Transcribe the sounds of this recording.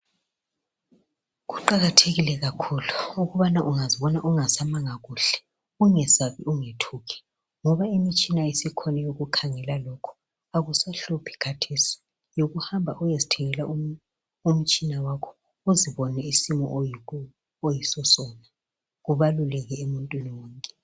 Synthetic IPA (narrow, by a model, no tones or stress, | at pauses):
ɣuǃaɣatʰeɣilɛɣakʰuluuɣuβanaʔuŋaziβɔnaʔuŋasamaŋaɣuːɬɛ̥ | uŋɛsaβiʔuŋetʰuːɣʰɛ̥ | ŋɔβaimit͡ʃʼinaisikʰɔnɛjoɣukʰaŋɛlalɔkʰɔ̥ | aɣusaɬupʰi̥kʰatʰesi̥ | joɣuhambʱaʔujezitʰɛŋɛlaʔum | um̩t͡ʃʼinawakʰɔ̥ | uziβɔnɛisimɔʔju | ojisɔsɔna | ɣuβalulɛɣɛemuntʼwiniwɔːŋkʼɛ̥